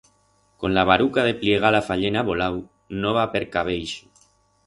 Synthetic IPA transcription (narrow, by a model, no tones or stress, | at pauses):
konlaβ̞aɾukaðepljeɣ̞alafaʎenaβolaw | noβapeɾkaβ̞ejʃu